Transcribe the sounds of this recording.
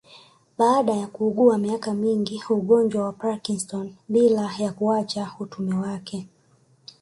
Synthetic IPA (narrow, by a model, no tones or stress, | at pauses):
ɓaːɗajakuːɠuamiakamiŋɡiuɠɔnd͡ʒwawapakiŋstɔnɓilajakuat͡ʃautumɛwakʰɛ